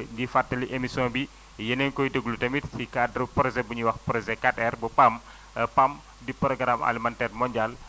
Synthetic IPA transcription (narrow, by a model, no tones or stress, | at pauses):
ŋɡifatːəliʔemisɔnbi | jənɛŋkɔjdəɡulutɐmitsikadɾupɾɔzɛbuɲiwɐxpɾɔzɛkatɛrbupam | pam | dipɾɔɡɾama̰limantɛrmɔɲɟal